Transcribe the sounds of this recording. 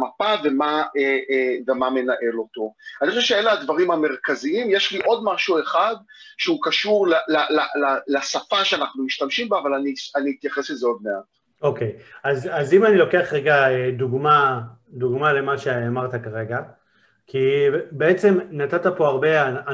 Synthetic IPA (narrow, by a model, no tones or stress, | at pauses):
mapavemaeevemame̞naʔe̞lo̞t̪o̞anioʃevʃeeleadvaʁimame̞ʁkaziimjeʃliʔo̞d̪maʃue̞χad | ʃeukaʃuʁlalalalalasafaʃeanaχnumiʃtamʃimbaavalanianiit̪jaχeslezeo̞d̪̚me̞at | o̞ke̞jazazimanilo̞ke̞aχʁeɡaed̪uɡma | d̪uɡmale̞maʃeamaʁt̪akaʁe̞ɡa | kʰibeet͡se̞mnat̪at̪apo̞aʁbe̞aa